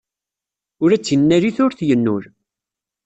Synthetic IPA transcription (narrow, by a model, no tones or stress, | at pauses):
ʊɾæt͡sːjənːæɾiθʊɾθjənːʊɾ